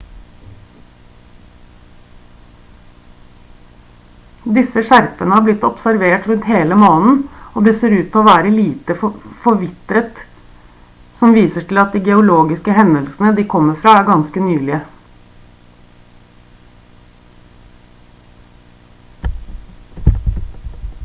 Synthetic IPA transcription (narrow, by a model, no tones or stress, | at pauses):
d̪ɪsəʂæɾpənəhɑːɾblɪt̪ːɔpsæɾʋeːʈɾʉnt̪heːləmɑːnn̩oːd̪ɛːseːɾʉːt̪ʰɔːʋæːɾəliːt̪əffɔɾʋɪt̪ɾət̪ | sɔmʋiːsəʈʰɪlɑt̪̚d̪iːɡɛʊloːɡɪskəɦɛnəlsn̩əd̪iːkʰɔmːəfɾɑːæɾɡɑnskənyːlɪə